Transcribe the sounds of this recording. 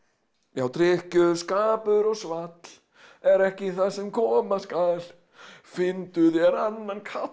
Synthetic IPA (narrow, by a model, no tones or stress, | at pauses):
jawt̪ɾɪhcʏskaːpʏɾɔɣsvat̪l̥ | ɛɾɛhcɪiθaðsɛmkʰɔːmaskaðl | fɪnt̪ʏðjɛɾanːankʰa